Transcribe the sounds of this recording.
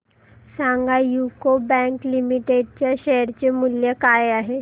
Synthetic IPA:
sãŋɡajukobɛ̃ŋklimiʈeɖ̚t͡ɕjaɕɛɦəɾt͡ɕemuljəkaeaɦe

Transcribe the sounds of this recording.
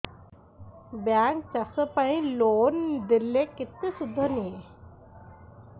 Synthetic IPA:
bjaːŋk̚t͡ʃɐsəpɐ̃ĩloːnd̪ilːekɪt̪ːisud̪ʱːənie

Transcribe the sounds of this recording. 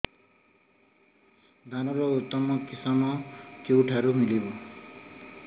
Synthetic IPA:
d̪ʱanʌɾɔut̪ːʌmʌkisamʌkewʈʰaɾumilibo

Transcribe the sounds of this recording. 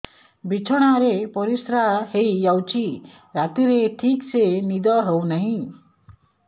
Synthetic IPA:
bit͡ʃʰɔɽ̃aɾepɔɾisɾahejd͡ʒawt͡ʃʰi | ɾat̪iɾeʈʰiksenid̪ɔɦewnaɦĩ

